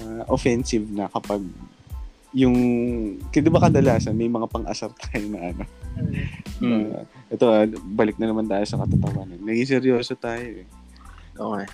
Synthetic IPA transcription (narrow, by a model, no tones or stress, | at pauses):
aʔofɛnsɪvnɐkɐpaɡ̚ | jʊŋ | kɛd̪ɪbɐkɐd̪ɐlaːsɐnmɐjmɐŋapɐŋʔɐsɐɾt̪ʰaːjonɐʔɐno̞ | ʔɛt̪o̞ʔabɐlɪk̚nɐnɐmant̪aːjo̞sɐkɐt̪ʊt̪ɐwaːnɐnːɐɡis̬ɛɾjoːsot̪aːjoʔɛ | ʔoɛ